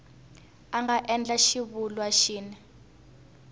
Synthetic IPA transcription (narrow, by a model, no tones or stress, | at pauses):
aŋɡaʔɛnd͡ɮaʃiβulwaʃiːnɛ